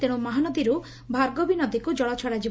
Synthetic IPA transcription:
t̪eɽ̃umɔɦanɔd̪iɾu | bʱaɾɡobinɔd̪ikud͡ʒɔɭɔt͡ʃʰɔɽad͡ʒib

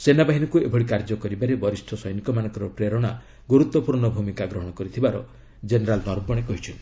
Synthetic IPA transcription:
senabaɦinɔkuebʱɔɽikaɾd͡ʒɔkɔɾibaɾebɔɾisʈʰɔsɔjnikɔmanɔ̃ŋkɔɾɔpɾeɾɔɽ̃a | ɡoɾut̪wɔpuɾɳɔbʱumikaɡɾɔɦɔɽ̃ɔkɔɾit̪ʰibaɾɔ̰ | d͡ʒeneɾalnɔɾbɔɽ̃ekɔɦit͡ʃʰɔnt̪i

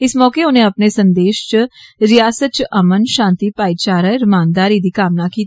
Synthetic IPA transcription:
ɪsmɔːkeːʊnẽːəpneːsənd̪eːʃt͡ʃɾɪjaːsət̪̚t͡ʃʔəmənʃãːnt̪iːpaːiːt͡ʃaːɾəɾɪmaːnd̪aːɾiːd̪iːkaːmnaːkiːt̪

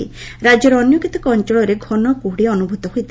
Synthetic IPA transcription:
ḭɾad͡ʒɔɾɔnjokit̪ɔkɔɔnt͡ʃɔɭɔɾeɡʱɔnɔkuɦɽiɔnubʱut̪ɔɦujt̪ʰi

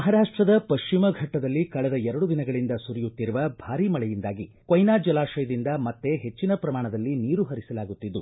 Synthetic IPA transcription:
mɐɦaːɾaːʂʈɾɐd̪ɐpɐʂʃt͡ʃimɐɡʱɐʈːɐd̪ɐlːikɐɭɛd̪ɐɛɾɐɽud̪inɐɡɐɭind̪ɐsuɾijut̪ːiɾuʋɐbʱaːɾiːmɐɭɛjind̪aːɡi | kojnaːd͡ʒɐlaːʂɐjɐd̪ind̪ɐmɐt̪ːe̞ɦe̞t͡ʃːinɐpɾɐmaːɳɐd̪ɐlːiniːɾuɦɐɾisɐlaːɡut̪ːid̪ːu

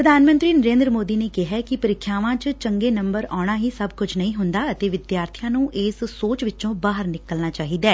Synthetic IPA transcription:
pɾəd̪ʱaːnmə̃nt̪ɾiːnəɾẽːnd̪ɾəmoːd̪iːneːkɪɦɛːkɪpəɾɪkʰːjaːʋãːt͡ʃt͡ʃəŋɡeːnə̃mbəɾaːɽ̃aːɦiːsəbkʊt͡ʃʰnəĩːɦʊnd̪aːət̪eːʋɪd̪jaːɾt̪ʰijãːnũːʔɪːssoːt͡ʃʋɪtːt͡ʃõːbaːɦəɾnɪkəlnaːt͡ʃaːɦiːd̪aː

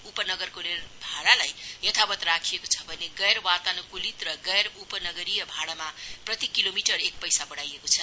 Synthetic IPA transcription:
upʌnʌɡʌrkolerbʱaɽalajjʌt̪ʰabʌt̪rakʰijekot͡sʰʌ̥bʱʌneɡʌjɾwat̪anʌkulit̪rʌɡʌjrupʌnʌɡʌɾijʌbʱaɽamaprʌt̪ikilomiʈʌrek̚pʌjsabʌɽajekot͡sʰʌ

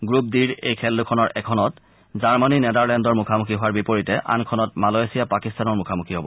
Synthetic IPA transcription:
ɡɹup̚diɹejkʰɛlːukʰɔnɔɹʔɛkʰɔnɔt | zaɹmaninɛdaɹlɛndɔɹmukʰamukʰiɦʊwaɹbipoɹitɛʔa̰nkʰɔnɔt̚malɔesijapakistanɔɹmukʰamukʰiɦobɔ̰

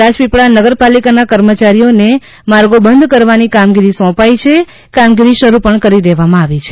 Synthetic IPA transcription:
ad͡ʒpipɭanəɡəɾpalikanakəɾmət͡ʃaɾijone | maɾɡobənd̪ʱkəɾʋanikamɡiɾisɔ̃pait͡ʃʰe | kamɡiɾiʃəɾupəɳkəɾid̪eʋamãaʋit͡ʃʰe

